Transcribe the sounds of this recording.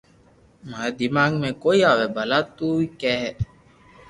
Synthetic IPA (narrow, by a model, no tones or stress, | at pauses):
mad̪imaːŋɡmẽkoiawɛbɐlat̪uikɛɛ